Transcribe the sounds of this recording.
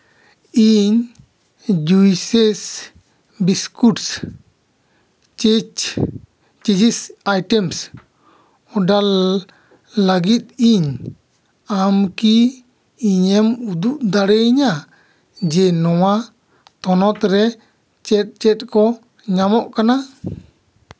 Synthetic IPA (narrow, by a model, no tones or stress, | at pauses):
iɲ | d͡ʒujsɛs | biskuʈs | t͡ʃid͡ʒisajʈɛms | ɔɖa | ləɡit̪̚iɲ | amkiː | ɲɛmud̪uʔd̪aɽɛɲa | d͡ʒɛnɔwa | t̪ɔnɔt̪ɾɛ | t͡ʃɛt̪̚t͡ʃɛt̪̚kɔ | ɲamɔʔkana